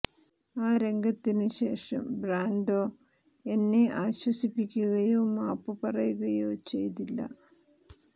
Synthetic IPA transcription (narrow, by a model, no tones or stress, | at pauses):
aːɾe̞ŋɡɐt̪ːinɨɕe̞ːʂɐ̰mbraːnɖo̞ː | e̞nːeaːɕwɐsipːikʲːuɣɐjoːmaːpːɨpɐrɐjuɣɐjoːt͡ɕe̞̰jt̪ilːɐ̰